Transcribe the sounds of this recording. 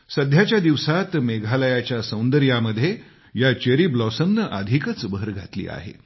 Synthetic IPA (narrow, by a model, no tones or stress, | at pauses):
səd̪ʱjat͡ɕjad̪iʋsat̪meɡʱaləjat͡ɕjasə̃w̃nd̪əɾjaməd̪ʱje | jat͡ɕeɾiblɔsəmnəʔəd̪ʱikət͡sbəəɾɡʱat̪lḭːa̰ɦḛ